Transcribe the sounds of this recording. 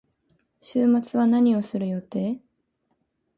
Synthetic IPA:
ɕɨːmat͡sɨβanaɲ̟io̞sɨɾɯ̟jo̞t̪e̞ː

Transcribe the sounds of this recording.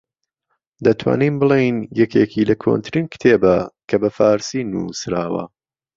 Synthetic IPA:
d̪ɐt̪ʰwa̰ːnimbɨlˠejnjɛkekilɐkʰo̰nt̪ʰɾinkɨ̥t̪ʰeːbɐkʰɐbɐfaːɾsinṵsɾaːwɐ̰

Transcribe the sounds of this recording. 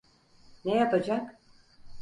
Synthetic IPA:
nejɑpɑd͡ʒɑk

